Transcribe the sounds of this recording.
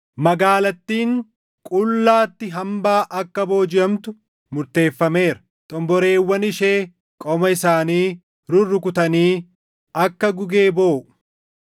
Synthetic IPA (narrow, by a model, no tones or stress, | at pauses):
mɐɡaːlɐt̪ːiːŋ | kʼʊlːaːt̪ːɪɦɐmbaːʔɐkːɐbo̞ːd͡ʒɪʔɐmt̪ʊ | mʊɾt̪e̞ːfːɐme̞ːɾɐ̥ | t̪ʼɔmbɔɾe̞ːwːɐnɪʃeː | kʼɔmɐɪsaːniː | ɾʊrːʊkʊt̪ɐniː | ɐkːɐɡʊɡeːbo̞ːʔʊ